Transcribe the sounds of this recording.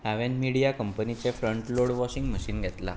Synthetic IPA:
aʋenmiɽijakəmpənit͡sefɾəɳʈloɽʋɔɕiŋɡməɕiːnɡʱɛt̪la̰

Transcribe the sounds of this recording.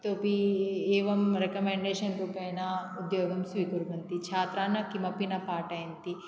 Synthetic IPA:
t̪oːpieːʋɐmɾekɐmeːɳɖeːʃɐnɾuːpeːnaʊd̪joːɡɐmsʋikuɾbɐnt̪it͡ʃʰaːt̪ɾaːnɐkimɐpinɐpaːʈɐjɐnt̪i

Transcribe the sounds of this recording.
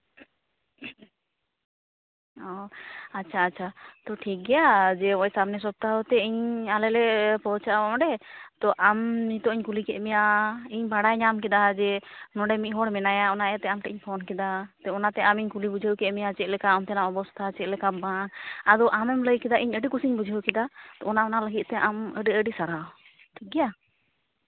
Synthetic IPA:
ɔatːt͡ʃʰaːtːt͡ʃʰat̪ɔʈʰik̚ɡɛjad͡ʒɛɔɲsamnɛs̬ɔb̚t̪aɦɔt̪ɛiɲalɛlɛpɔt͡ʃaʔɔɔ̃ɖɛt̪ɔʔamnit̪ɔiɲkulikɛʔmɛjaiɲbaɽajɲamkid̪ad͡ʒɛnɔɖɛmit̪̚ɦɔɽmɛnajaɔnaɛt̪ɛamʈɛʔiɲpʰɔnkɛd̪at̪ɔɔnat̪ɛʔamiɲkulibud͡ʒʱəwkɛʔmɛjat͡ʃɛʔ̪̚lɛkaɔmt̪ɛnaɔbɔst̪ʰat͡ʃɛt̪̚lɛkabanad̪ɔʔamɛmləjkɛd̪aʔiɲəɖikusiɲbud͡ʒʱəwkɛd̪at̪ɔɔnaɔnaləɡit̪̚t̪ɛʔaməɖiəɖisaɾaw | t̪ʰiɡija

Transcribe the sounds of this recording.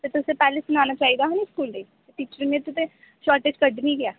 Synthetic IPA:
t̪et̪ʊsepɛːlesʊnaːnaːt͡ʃaːɦid̪aɦoniskuːld̪eːt̪eʈiːt͡ʃɾinẽt̪ʊt̪e | ʃɔːɾʈeːd͡ʒkəɖnĩɡɪjaː

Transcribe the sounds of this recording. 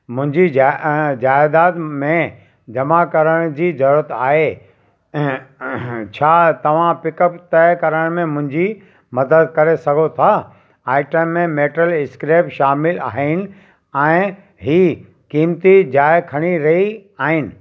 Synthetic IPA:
mʊ̃ɦɪ̃ɲd͡ʑid͡ʑaːjɪd̪aːt̪mẽ | d͡ʑɐmakɐɾəɽ̃d͡ʑiːzɐɾuːɾət̪aːɦe | t͡ɕʰaːt̪ɐʋ̤ãpɪkəpt̪ɐkɐɾəɽ̃mẽmʊ̃ɦɪ̃ɲd͡ʑi | mɐd̪əd̪̚kɐɾesɐɡʱot̪ʰa | aːɪʈəmːẽmeːʈəlɪskɾeːpʃaːmɪla̰ːɦɪnɪ̆ | ɛ̃ː | ɦiː | kiːmt̪id͡ʑaːjkʰɐɽ̃iɾɐɦiaːɦɪnɪ̆

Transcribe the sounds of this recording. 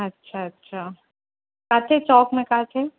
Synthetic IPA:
ɐtːʃʰaɐtːʃʰaː | kaːt̪ʰet͡ʃɔːkmẽkaːtʰe

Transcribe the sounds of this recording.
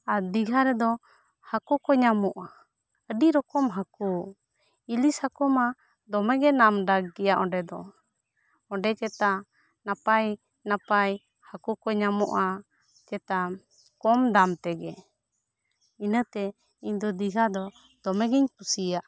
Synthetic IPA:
aɾd̪iɡʱaɾɛd̪ɔ | hakɔkɔɲamɔʔa | əɖiɾɔkɔmɦakɔ | ilishakɔma | d̪ɔmɛɡɛnamɖaɡːɛjaʔɔɖɛd̪ɔ | ɔ̃ɖɛt͡ʃɛt̪a | napaj | napaj | hakɔkɔɲamɔʔa | t͡ʃɛt̪a | kɔmd̪amt̪ɛɡɛ | inət̪ɛ | iɲd̪ɔd̪iɡʱad̪ɔ | d̪̥ɔmɛɡiɲpusijaʔ

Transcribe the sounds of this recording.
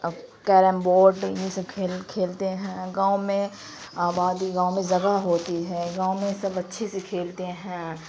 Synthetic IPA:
kɛːɾəmboːɾɖjesekʰeːlkʰeːlt̪eɦɛ̃ːɡãːʊmẽ | aːbaːd̪iɡãːomẽzɐɡaɦoːt̪iɦɛ̃ːɡãːʊmẽsɐbɐtːʃʰesekʰeːlt̪eɦɛ̃

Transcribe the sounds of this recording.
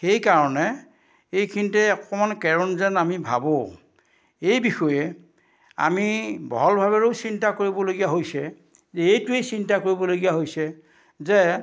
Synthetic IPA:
xejkaɹɔnɛ | ejkʰintɛɔkɔmankɛɹɔnzɛnamibʱa̰bo | ejbixɔjɛ | a̰mibɔ̰ɔlbʱaβɛɹosintakoɹibɔloɡijaɦojsɛ | zɛejtʊejsintakoɹibɔloɡijaɦojsɛ | zɛ

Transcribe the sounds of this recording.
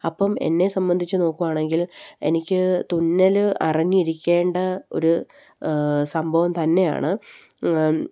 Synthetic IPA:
ɐpːɐme̞̰nːe̞sɐmbɐnd̪ʱit͡ɕːɨno̞ːkːuʋaːɳe̞ŋɡile̞̰nikʲːɨt̪unːɐlɨʔɐrɐɲːiiɾikʲːe̞ːɳɖɐo̞̰ɾu | sɐmbʱɐʋɐmt̪ɐnːe̞ja̰ːɳɨ

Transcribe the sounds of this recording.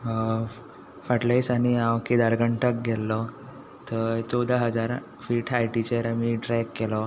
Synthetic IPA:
faʈlejsañiãwkid̪aɾɡəɳʈək̚ɡʱɛlːɔ | t̪ət͡sɔd̪aɦəd͡zaɾ | fiːʈʰajʈit͡ɕəɾmiːʈɾɛjkːelɔ

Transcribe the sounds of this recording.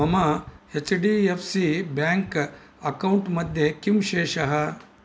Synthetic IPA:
ɐmɐhet͡ʃɖiːepʰsibjaːŋk | ɐkɐwuɳʈmɐd̪ʱjekimʃeːʃɐɦɐ

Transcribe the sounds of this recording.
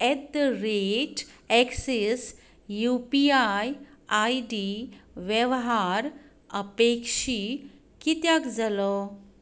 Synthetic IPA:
ɛt̪ɾeʈɛkses | jupiajaiɖiʋjɛʋɦaɾ | əpekʂi | kit̪jakd͡zalɔ

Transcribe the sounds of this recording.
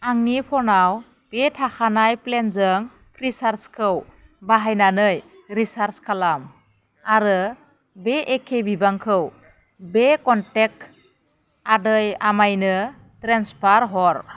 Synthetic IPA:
aŋnipʰɔnaw | b̥etʰaxʰanajplenzɯŋ | pʰɾisaɾskʰɯw | baɦajnanɯj | ɾisaɾskʰalam | aɾɯ | beʔːkʰebibaŋkʰɯw | bekɔntek̚ | adɯjamajnɯ | tɾenspaɾɦɔɾ

